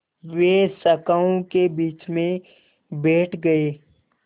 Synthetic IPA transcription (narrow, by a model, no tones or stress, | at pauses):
ʋeːsɐkaõkebiːt͡ʃmẽ | bɛːʈʰɡɐeː